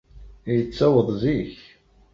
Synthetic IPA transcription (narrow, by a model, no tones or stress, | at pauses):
jət͡sːæwəðˤziç